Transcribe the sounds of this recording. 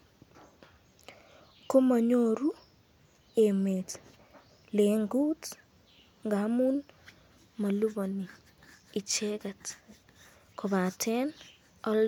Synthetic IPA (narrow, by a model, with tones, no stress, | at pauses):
ko˦ma˨ɲo˦ɾu˦ | e˨me˨t | le˨ŋɡu˦t | ŋɡa˨˦mu˦n | ma˨lu˦bo˨ni˨ | i˨t͡ʃɛ˦kɛ˨t | kʰɔ˨βa˨tʰɛ˦n | ɔ˦l